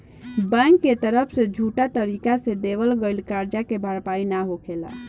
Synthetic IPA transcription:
bɛ̃ŋkːet̪əɾəpʰsed͡ʒʱuʈat̪əɾikased̪eʋəlɡeɪlkaɾd͡ʒakebʱaɾpainaɦokʰela̰

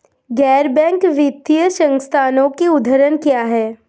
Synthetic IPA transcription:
ɡɛːɾbɛ̃ːŋkʋɪt̪ːiəʃə̃ŋst̪ʰaːnõkiʊd̪ʱəɾənkjaːɦɛː

